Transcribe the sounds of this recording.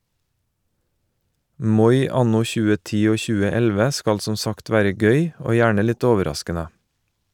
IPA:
ˈmɔʏ ˈɑnʊ ˈçʉːə ˈtiː ˈoː ˈçʉːə ˈɛlʋə ˈskɑl ˈsɔ ˈsɑkt ˈʋæːɾə ˈɡœʏ ˈoː ˈjæːɳə ˈlɪt ˈoːʋəˌɾɑskənə

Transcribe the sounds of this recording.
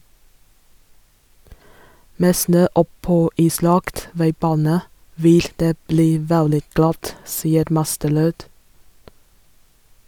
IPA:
ˈmeː ˈsnøː ˈɔˌpoː ˈiːˌslɑkt ˈʋæɪˌbɑːnə ˈʋɪl ˈdeː ˈbliː ˈʋɛldɪ ˈɡlɑt ˈsiːəɾ ˈmɑstəˌɾøːd

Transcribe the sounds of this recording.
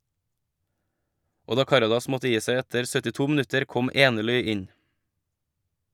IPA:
ˈoː ˈdɑː ˈkɑɾɑdɑs ˈmɔtə ˈjiː ˈsæɪ ˈɛtəɾ sœtɪˈtuː mn̩ˈʉtəɾ ˈkɔm ˈeːnəˌɭʏ ˈɪn

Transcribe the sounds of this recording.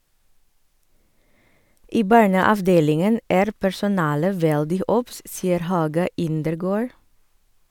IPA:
ˈiː ˈbɑɳəɑʋˌdeːlɪŋən ˈæːɾ pæɹsʊˈnɑːlə ˈʋɛldɪ ˈʔɔps ˈsiːəɾ ˈhɑːɡɑ ˈɪndəɾˌɡoːɹ

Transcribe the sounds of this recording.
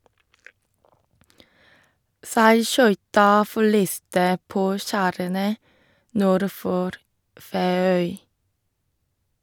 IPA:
sæɪˈʃœʏtɑ fɔˈɭiːstə ˈpoː ˈʃæːɾənə ˈnuːɾ ˈfoːɾ ˌfeːˈœʏ

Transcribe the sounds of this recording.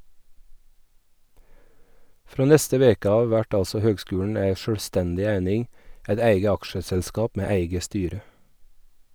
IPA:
ˈfɾoː ˈnɛstə ˈʋeːkə ˈɑːʋ ˈʋæʈ ˈɑlsɔ ˈhøːɡˌskʉːɳ̩ ˈæɪ ʃœɽˈstɛndɪ ˈæɪnɪŋ ˈæɪt ˈæɪɡə ˈɑkʃəsɛlˌskɑːp ˈmeː ˈæɪɡə ˈstyːɾə

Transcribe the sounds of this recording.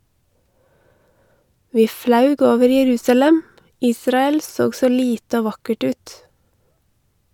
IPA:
ˈʋiː ˈflɑʉɡ ˈoːʋəɾ jɛˈɾʉːsɑlɛm ˈiːsɾɑɛl ˈsoːɡ ˈsoː ˈliːtə ˈoː ˈʋɑkəʈ ˈʉːt

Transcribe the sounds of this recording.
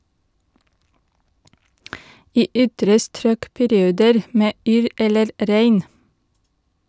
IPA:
ˈiː ˈʏtɾə ˈstɾøːk pæɾɪˈuːdəɾ ˈmeː ˈyːɾ ˈɛləɾ ˈɾæɪn

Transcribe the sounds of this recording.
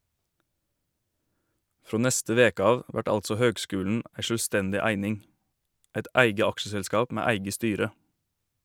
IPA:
ˈfɾoː ˈnɛstə ˈʋeːkə ˈɑːʋ ˈʋæʈ ˈɑltsɔ ˈhøːɡˌskʉːln̩ ˈʔæɪ ʃøːlˈstɛndɪ ˈæɪnɪŋ ˈɛt ˈʔæɪɡə ˈɑkʃəsɛlˌskɑːp ˈmæː ˈæɪɡə ˈstyːɾə

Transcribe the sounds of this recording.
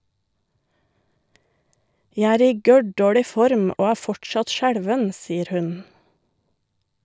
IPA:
ˈjæ ˈæːɾ ˈiː ˈɡœˌɖoːɽɪ ˈfɔɾm ˈoː ˈæː ˈfɔʈˌʃɑt ˈʃæɽʋən ˈsiːəɾ ˈhʉn

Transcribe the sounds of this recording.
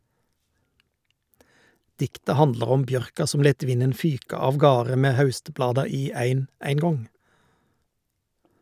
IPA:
ˈdɪktə ˈhɑndlɑʁ ˈɔm ˈbjœʁkɑ ˈsɔm ˈleːt ˈʋɪnən ˈfyːkɑ ɑʋˈɡɑːʁə ˈmeː ˈhɑʉstˌblɑːdɑ ˈiː ˈæɪn æɪŋˈɡɔŋ

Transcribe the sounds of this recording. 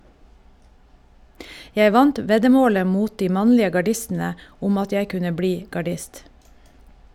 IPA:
ˈjɛ ˈʋɑnt ˈʋɛdəˌmoːlə ˈmuːt ˈdiː ˈmɑnlɪə ɡɑˈɖɪstn̩ə ˈʊm ˈɑt ˈjæɪ ˈkʉnə ˈbliː ɡɑˈɖɪst

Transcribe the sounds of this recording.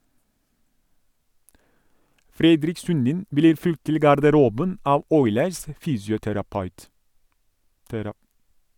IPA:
ˈfɾɛdɾɪk ˈsʉndɪn ˈbliːɾ ˈfʉlt ˈtɪl ɡɑɾdəˈɾuːbən ˈɑːʋ ˈɔʏləɾs ə ˈfyːsjʊtæɾɑˌpɑʉt

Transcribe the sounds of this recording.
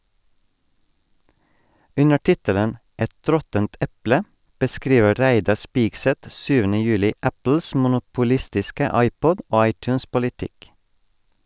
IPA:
ˈʉnə ˈʈɪtələn ˈɛt ˈɾɔtənt ˈɛplə bəˈskɾiːʋə ˈɾæɪdɑɾ ˈspɪɡsɛt ˈsyːʋənə ˈjʉːlɪ ˈæpl̩s mʊnʊpʊˈlɪstɪskə ˈɑɪˌpɔd ˈoː ˈɑɪˌtʉːns pʊlɪˈtɪk

